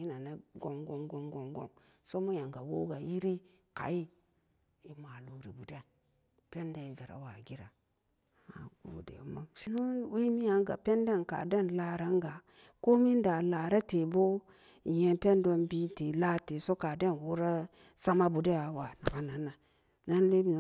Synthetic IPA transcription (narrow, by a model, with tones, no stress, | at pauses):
i˦na˨na˦ɡo˨mɡo˨˦mɡo˨mɡo˨ŋɡo̰˦m | so˦mu˦ja˨ŋɡa˨wo̰˦ɡa˨ji˦ɾi˦ | ka̰˨i˦ | i˨ma˨lu˨ɾi˨bu˨de˦a˨ | pe˦nda˨i˨ve˨ɾa̰˨wa˨ɡi˦ɾa˨ | a̰˨ɡo̰˨dḛ˨ma̰˦mʃi˦nu˦we˦mi˦ja˨ŋɡa̰˨pe˦nde˦˨nka̰˨de˦nla˦ɾa˦ŋɡa˨ | ko˦mi˦nda˨la˨ɾa˦te˨bo˦ | i˨je˨npe˦ndo˦nbi˦n˦te˨la˦te˨so˦ka˨de˦˨nwu˦ɾa˦ | sa˦ma˦bu˨da˦ja˨wa˨na˨ɡa˦na˨˦na˨ | na˦nle˦bi˦n˨